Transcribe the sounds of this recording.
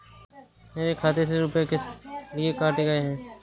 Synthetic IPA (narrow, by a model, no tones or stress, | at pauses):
meːɾekʰaːt̪es̬eɾʊpjekelɪekaːʈeɡɐeɦɛ̃ː